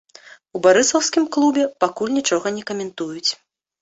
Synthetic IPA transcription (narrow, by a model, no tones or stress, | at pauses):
ubaɾɨsɐwskʲimklˠubʲɛpakulʲnʲit͡ʂɔɣɐnʲɛkɐmʲɛnt̪ujut͡sʲ